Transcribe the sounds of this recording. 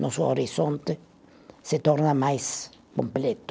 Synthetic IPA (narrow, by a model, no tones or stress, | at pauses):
nʔosuo̰ɾisont̪e | set̪oɾnamajs | komplet̪o̥